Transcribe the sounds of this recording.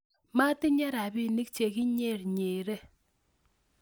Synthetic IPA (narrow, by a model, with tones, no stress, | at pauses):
ma˦tɪ˦ɲɛ˦ɾa˨bɪ˦˨ni˦k̚t͡ʃe˨kɪ˦ɲe˦˨ɾɲeː˨ɾe˦